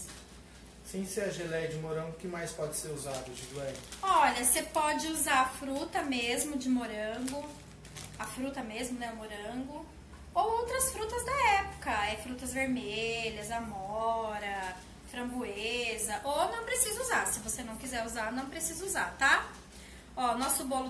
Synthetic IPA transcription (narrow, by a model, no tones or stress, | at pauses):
sĩsɪɛʒelɛjd͡ʒɪmoɾɐ̃ɡʊkɪmajspɔd͡ʒɪseɾuzad̪ɐʒɪd̪uɛjɔʎɐsepɔd͡ʒɪuzaɾɐfɾut̪ɐmezmʊd͡ʒɪmoɾɐ̃ɡʊ | ɐfɾut̪ɐmezmʊnɛʊmoɾɐ̃ɡʊ | owowt̪ɾɐsfɾut̪ɐzd̪ɐɛpʊ̥kɐɛfɾut̪ɐzveɾmeʎɐzɐmɔɾɐ | fɾɐ̃buezɐʔownɐ̃w̃pɾesizɐuzaɾsɪvosenɐ̃w̃kizɛɾuzaɾnɐ̃w̃pɾesizɐuzaɾt̪a | ɔʊnɔsʊbɔlʊ